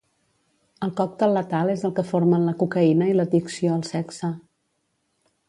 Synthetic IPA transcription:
əlˠkɔk̚t̪əlːət̪alˠezəlˠkəfoɾmənləkukəinəilət̪iksioəlˠsɛksə

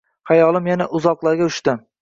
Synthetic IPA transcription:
hajɒlˠɪmjanaʔʊzɒqlˠaɾɡʲaʊʃt̪ɪ

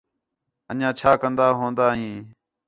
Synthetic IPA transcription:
əɲãːt͡ʃʰaːkənd̪aːɦõːnd̪aːɦĩː

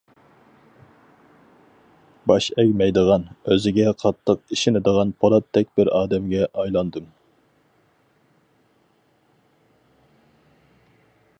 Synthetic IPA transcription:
bɑʃɛkʲmɛjd̪əʁɑnøzɪɡʲɛqʰɑt̪ʰːəq̚iʃɪnɪd̪əʁɑnpʰɑɾˠɑt̪ʰːɛk̚ʲbɪɾɑːd̪ɛmɡʲɛʔɑjlˠɑnd̪ɨm

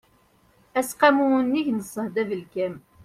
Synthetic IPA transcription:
æsqɑmunːiçnəsˤəhd̪ævəlkæm

